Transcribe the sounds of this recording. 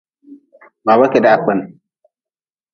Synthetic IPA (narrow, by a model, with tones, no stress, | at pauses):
baː˨ba˦kʲe˨da˦a˨k͡pɐ˦n